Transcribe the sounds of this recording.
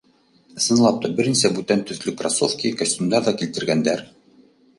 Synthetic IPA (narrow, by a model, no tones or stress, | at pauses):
ɤ̆sɤ̆nlˠɑp̚t̪ɑbɘ̆ɾnisæbʉt̪ænt̪ɵ̆θlɵkrasofkʲijkɐsʲtʲimd̪ɑɾðɑkilt̪ɘ̆ɾɡænd̪æɾ